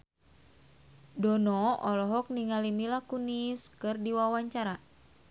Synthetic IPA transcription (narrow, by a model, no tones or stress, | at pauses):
dɔnɔɔlɔɦɔk̚niŋalimilakuniskɨrdiwawaɲt͡ʃaɾa